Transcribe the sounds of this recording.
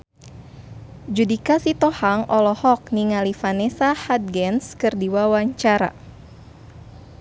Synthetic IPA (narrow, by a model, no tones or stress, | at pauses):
d͡ʒudikasit̪ɔhaŋɔlɔhɔk̚niŋalifanɛsahat̪̚ɡɛnskɨrdiwawaɲt͡ʃaɾa̰